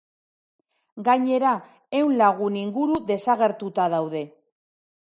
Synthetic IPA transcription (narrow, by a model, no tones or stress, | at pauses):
ɡaɲe̞ɾa | ewnlaɣ̞uniŋɡuɾuðe̞saɣe̞ɾt̪ut̪aðawðe̞